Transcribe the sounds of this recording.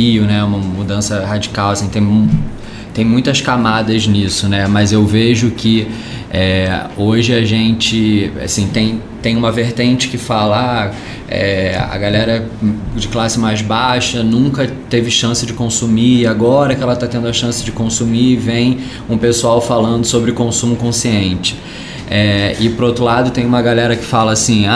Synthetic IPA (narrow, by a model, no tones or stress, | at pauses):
iʊnɛũmɐmud̪ɐ̃sɐhad͡ʒikawasĩt̪ẽj̃m | t̪ẽj̃mũj̃t̪ɐskamad̪ɐznisʊnɛmɐzewveʒʊkɪ | ɛoʒɪaʒẽnt͡ʃɪa̰sĩt̪ẽj̃t̪ẽj̃ũmɐveɾt̪ẽnt͡ʃɪ̥kɪfalɐa | ɛ̰ɐ̰ɡalɛɾɐd͡ʒɪklasɪmajzbaʃɐnũkɐt̪evɪʃɐ̃sɪd͡ʒɪkõsumiaɡɔɾɐkɪɛlɐt̪at̪ẽnd̪ʊɐʃɐ̃sɪd͡ʒɪkõsumivẽj̃ | ũpesuawfalɐ̃nd̪ʊsobɾɪkõsũmʊkõsiẽnt͡ʃɪ̥ | ɛɪpoɾowt̪ɾʊlad̪ʊt̪ẽj̃ũmɐɡalɛɾɐkɪ̥falɐːsĩa